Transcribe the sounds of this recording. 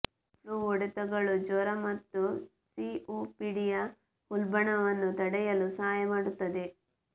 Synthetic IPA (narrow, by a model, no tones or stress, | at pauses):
pʰluːʋɔɽɐt̪ɐɡɐɭud͡ʒɔːɾɐmɐt̪ːu | siuːpiɽijɐ | ulbɐɳɐʋɐnːut̪ɐɽɛjɐlusɐɦaːjɐmaːɽut̪ːɐd̪e̞